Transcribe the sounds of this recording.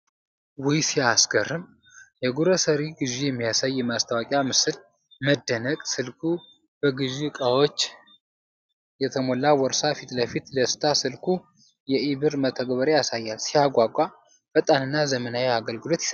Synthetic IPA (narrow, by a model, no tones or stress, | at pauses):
wujsiasɡərɨm | jɛɡuɾəsəɾiɡɨʒijɛmːijasajːɛmast̪ʰawakʼjamɨsɨl | məd̪ːənəkʼsɨlkʰu | b̥əɡɨʒikʼawo̞t͡ʃː | jɛt̪ʰəmo̞lːawɔɾsafit̪ləfit̪ləsɨ̥t̪ʰasɨlkʰu | jɛiβɨɾmət̪ʰːəɡβəɾejasajːalsijaɡʷakʷʼa | fət̪ʼanɨnːazəmənaweaɡəlɡɨlo̞t̪jɪ̥s